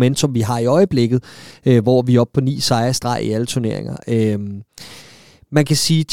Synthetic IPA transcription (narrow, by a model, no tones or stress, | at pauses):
men̰d̥sɒ̽mʋiɦɑ̈iɒ̽ɪəb̥le̝ɡ̥ð̩ˠøʋɒʋiɒ̽b̥̚pʰɒ̽nḭːsɑ̈ɪɐsd̥ʁɑ̈iælət͡sʰuɐne̝ɐ̰e̝ŋɐøm | mænkʰæsiːt͡sʰ